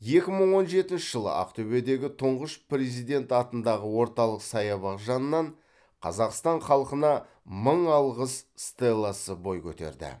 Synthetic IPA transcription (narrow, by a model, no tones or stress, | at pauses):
je̞kʲɪməɴwo̞nʒe̞t̪ɪnʃɪʒəlˠə̰ʔɑ̰qt̪ʰɵbe̞d̪e̞ɡʲɪt̪ʰʊɴʁəʃpre̞zijd̪e̞nt̪ɑt̪ənd̪ɑʁəwo̞ɾt̪ɑlˠəqsɑjɑβɑqʒɑnəːɑɴ | qʰɑzɑqst̪ɑɴχɑlˠəqənɑ | məɴɑlˠʁəsst̪elˠːɑsəbo̞jkʲʰɵt̪e̞̰ɾd̪ɪ̰